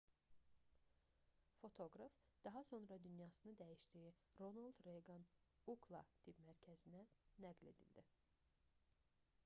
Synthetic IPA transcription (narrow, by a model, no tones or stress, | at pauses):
fo̞t̪ʰo̞ɡɾɑfd̪̥ɑɦɑso̞nɾɑd̪ynjɑːsɯnɯd̪æjiʃd̪iji | ɾonalˠd̪ɾejɡɑn | uɡlˠɑ̰t̪ʰipmæɾcʰæzinænæɡle̞̰d̪ḭld̪i